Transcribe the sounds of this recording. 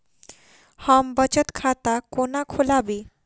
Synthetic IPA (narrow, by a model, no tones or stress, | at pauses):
hambət͡ɕət̪kʰat̪akonakʰolabi